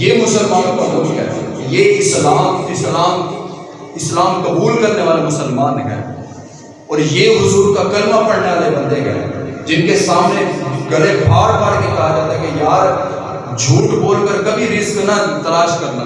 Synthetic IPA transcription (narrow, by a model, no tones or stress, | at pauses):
jeːmʊsəlmaːnkɐbuːlɦɛ̰ːjeɪslaːmɪslaːm | ɪslaːmkɐbuːlkɐɾneʋaːlemʊsəlmaːnɦɛ̰ | ɔːɾjeːɦʊzuːɾkakɐlmapɐɽneʋaːlebɐ̃nd̪ekɐ̰d͡ʒɪnkesaːmneɡɐɾebʱaːɾbaːɾkekɐɦad͡ʒaːt̪aɦɛkejaːɾ | d͡ʒʱuːʈboːlkəɾkɐbʱiɾɪzknat̪ɐlaːʃkɐɾna